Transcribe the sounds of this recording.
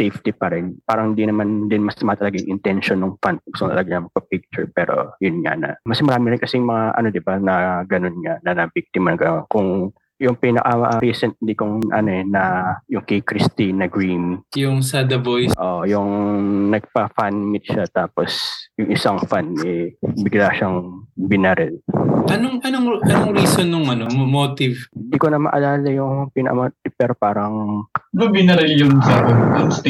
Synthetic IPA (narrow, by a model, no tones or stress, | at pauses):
sejft̪ipɐɾɛnpaːɾɐŋhɪnd̪inɐmand̪ɪnmɐsmɐat̪ɐlaːɡaŋʔɪnt̪ɛnʃonːʊŋfanpɐɡʊsot̪ɐ̰laɡaɲɐmpɐpik̚t͡ʃʊɹpɛːɾo̞̰jʊnŋa̰nɐ̰mɐsmɐɾaːmɪnɾɪnkɐsɛjʊŋmɐŋaʔɐ̰no̞d̪ɪbanɐɡɐno̞nŋanɐnɐbik̚t̪ɪmɐnɐɡɐnonkʊŋ | jʊŋpinɐkɐɾisɛnt̪̚likʊŋʔɐ̰no̞ɛnɐjʊŋkɛjkɾɪst̪inɐɡɹimjʊŋsad̪ɐbojʔojʊŋnɐɡ̚pɐfanmɪt̪̚ʃat̪aːposjʊŋʔɪsaŋfanɛbɪɡlaʃaŋbɪnɐɾɛlʔɐnoŋɐnoŋkɐnoŋɾiːsonːʊŋɐnommoːt̪ɪvhɪnd̪iːkonɐmɐ̰ʔɐlaːlɐjʊŋpinɐkɐ̰mot̪̚ɪpɛːɾopaːɾɐŋbɐbɪnɐɾɛljʊnsaoɐ